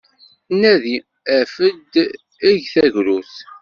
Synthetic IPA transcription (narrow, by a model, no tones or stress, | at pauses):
nːæði | æfəd̪ | iʝθæʝɾuθ